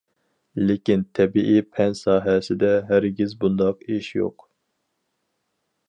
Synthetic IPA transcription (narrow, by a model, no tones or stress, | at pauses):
lekʲint̪ʰɛbiʔipʰɛnsɑːɦɛsɪd̪ɛɦæɾɡʲizbund̪ɑqeʃjo̰q